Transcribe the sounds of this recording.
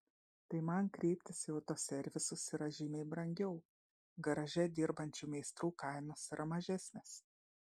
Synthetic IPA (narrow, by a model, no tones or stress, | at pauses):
t̪ɐɪmɐnkɾʲɛɪpʲt̪ʲɪsjɛʊt̪oːsʲɛɾʲʋʲɪsɔsʲɪɾɐʒʲɪmʲeɪbɾɐŋʲɡʲɛʊ | ɡɐɾɐʒʲɛd̪ʲɪɾbɐnʲt͡ʃʲumʲɛɪst̪ɾuːkɐɪnoːsɪɾʔɐmɐʒʲɛsʲnʲes